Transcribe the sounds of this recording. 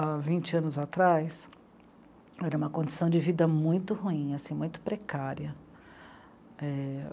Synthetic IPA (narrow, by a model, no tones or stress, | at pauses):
avĩnt͡ʃɪɐ̃nʊzat̪ɾajs | ɛɾɐũmɐkõd͡ʒɪsɐ̃w̃d͡ʒɪvid̪ɐmũj̃t̪ʊhuĩasĩmũj̃t̪ʊ̥pɾekaɾjɐ | ɛ